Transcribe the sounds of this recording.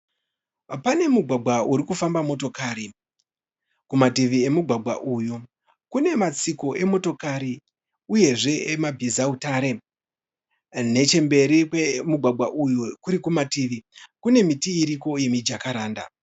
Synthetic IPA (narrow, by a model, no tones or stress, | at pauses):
pane̞muɡʱwaɡʱwauɾikufambamo̞to̞kaːɾi | kumatiʋie̞muɡʱwaɡʱwa̰ʔuju | kune̞mat͡siko̞ʔe̞mo̞to̞kaɾi | uje̞ʐe̞emabʱizautaːɾe̞ | ne̞t͡ʃe̞mbe̞ɾikwe̞muɡʱwaɡʱaʔujukuɾikumatiʋikune̞mitiːɾiko̞je̞mid͡ʒakaɾaːnda̰